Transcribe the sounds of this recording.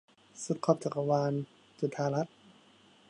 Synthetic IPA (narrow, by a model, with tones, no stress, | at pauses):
su˧˦t̪̚kʰɔː˧˩p̚t͡ɕʰa˨˩ka˧waː˧n | t͡ɕu˧˩t̪ʰaː˧˩la˦˥t̪̚